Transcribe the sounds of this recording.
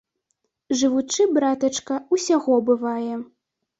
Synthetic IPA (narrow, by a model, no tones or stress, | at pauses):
ʐɨvut͡ʂɨbɾat̪ɐt͡ʂkɐusʲaɣɔbɨvajɛ